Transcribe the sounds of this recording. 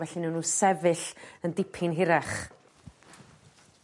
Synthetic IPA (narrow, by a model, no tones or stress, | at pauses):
vɛɬinuːnuːsɛvɨɬəndɪpʰɪnɦɪɾaχ